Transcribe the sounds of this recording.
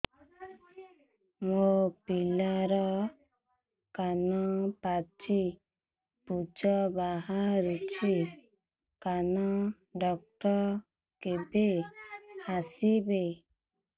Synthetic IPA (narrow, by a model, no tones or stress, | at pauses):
mopilaɾɔ | kanɔpat͡ʃi | pud͡ʒɔbaɦaɾut͡ʃʰi | kanɔ | ɖɔk̚ʈɔ | kebe | asibe